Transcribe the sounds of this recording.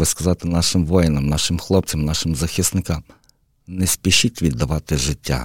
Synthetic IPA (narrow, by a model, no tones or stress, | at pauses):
bɪskɐzɑt̪ɪnɑʃɪmʋɔjɪnɐmnɑʃɪmxlˠɔp̚t͡sʲɐmnɑʃɪmzɐxʲisnɪkɑm | nɛsʲpʲiʃitʲʋʲid̪ːɐʋɑt̪ɪʒɪtʲːa̰